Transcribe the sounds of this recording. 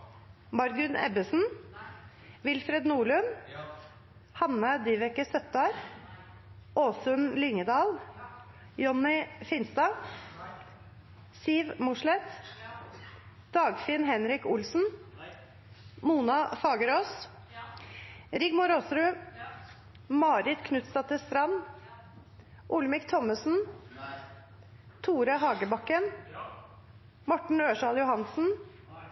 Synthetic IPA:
mɑɾɡʉnʔɛ̰bəsn̩ | ʋɪlfɾɛd̪nuːɭʉn | hɑnːəd̪iːʋɛkəsœt̪ːɑːɾ | ʔoːsʉnlʏŋəd̪ɑːl | jɔnːɪfɪnst̪ɑː | siːʋmʊʂlɛt̪ | d̪̥ɑːɡfɪnhɛnɾɪkʊlsn̩ | muːnɑfɑːɡəɾoːs | ɾɪɡmʊɾosɾʉː | mɑːɾɪt̪kʰnʉt̪st̪ɑt̪əst̪ɾɑn | ʔʊlmɪkt̪ʰɔməsn̩ | t̪ʰuːɾɑɦɑːɡəbɑkːən | mɔʈɳ̩øːʂɑːljʊhɑnsn̩

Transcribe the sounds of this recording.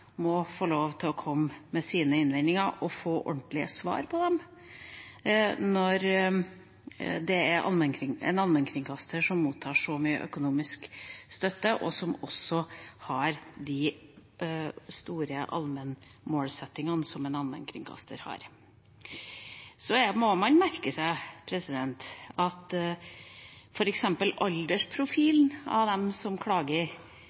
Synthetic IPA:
mɔfoːloːʋt̪ʰɪlɔkʰɔmːɛsiːnəɪnʋɪɪŋɑɾʔɔfoːʔɔ̰ɳʈ̪lɪə̰sʋɑ̰ːɾpʰɔd̪ɛm | nɔɾ | d̪ɛæɾʔɑ̰lmənkʰɾɪŋɛ̰nɑlmənkʰɾɪŋkʰɑst̪ʰəʂɔmːuːt̪ʰːɑːʂɔmyːə̰ʔœ̰kʊnuːmɪskst̪œt̪ːəʔɔsɔmɔsːɔhɑɾd̪ɪ | st̪uːɾəʔɑ̰lmən | moːlsɛt̪ːɪŋɑnəsɔmɛnɑlmə̰nkʰɾɪ̰ŋkʰɑ̰st̪ʰə̰ɾhɑ̰ɾ | sɔmɔmɑnmæɾkəsæɪpʰɾɛsɪd̪ɛnt̪ɑt̪ | fɔɾɛksɛmpəlɑld̪əʂpʰɾʊfiːlnɑ̰ʋd̪ɛmsɔmkʰɽɑːɡə

